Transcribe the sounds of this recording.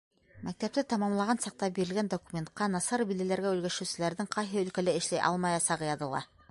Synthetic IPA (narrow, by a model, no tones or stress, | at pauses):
mæk̚t̪æp̚t̪ɘt̪ɑmɑmlˠɑʁɑnsɑq̚t̪ɑbiɾɘ̆lɡænd̪okumʲent̪̚qɑnɑsɑɾbilælæɾɡæʉlɡæʃɘ̆wsɘ̆læɾðɘŋqɑjɦɘɵ̆lkælæɘ̆ʃlæjʔɑ̰lˠmɑjɑsɑʁɤ̆jɑðɤ̆lˠɑ̰